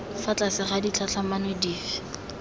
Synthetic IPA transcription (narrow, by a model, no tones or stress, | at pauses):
fat͡ɬʼasɪχadit͡ɬʰat͡ɬʰamanediːfɪ̥